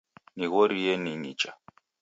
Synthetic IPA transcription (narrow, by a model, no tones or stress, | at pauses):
niɣɔɾijɛniɲit͡ʃʼa